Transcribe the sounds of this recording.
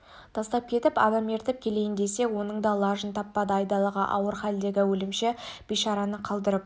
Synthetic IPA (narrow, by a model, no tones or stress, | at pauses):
t̪ʰɑst̪ɑp̚kʲʰe̞t̪ɪpɑ̰d̪ɑme̞ɾt̪ɪp̚kʲʰe̞le̞jɪnd̪e̞se̞wo̞nəɴd̪ɑlˠɑʒənt̪ʰɑpːɑd̪əɑjd̪ɑlˠɑʁɑʔɑ̰wəɾχæld̪e̞ɡʲɪwɵlɪmʃeb̥ijʃɑɾɑnəqʰɑlˠd̪əɾəp̚